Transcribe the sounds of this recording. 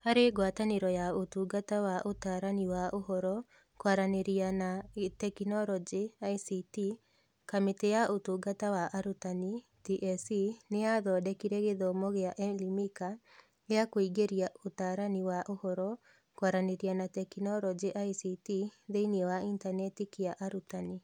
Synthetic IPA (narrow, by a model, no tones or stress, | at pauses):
aɾeɡwataneɾɔjaotuɡatawaʔotaːɾaniwaʔoɦɔɾɔ | kwaɾaneɾianatɛkinɔɾɔd͡ʒeaisiti | kametejaʔotuːɡatawaʔaɾutani | tiʔɛsineaðɔːdɛkiɾɛɣeðɔmɔɣeaʔɛlimika | ɣeakoiɡeɾiaʔotaːɾaniwaʔohɔɾɔ | kwaɾaneɾianatɛkinɔɾɔd͡ʒeʔaisitiðeiniewaintanɛtikiaʔaɾutani